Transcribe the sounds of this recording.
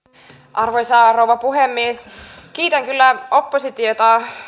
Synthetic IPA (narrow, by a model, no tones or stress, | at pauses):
ʔɑrʋojsɑrowʋɑpuɦemːiesk̟iːt̪æŋkylːæopːosit̪iot̪ɑ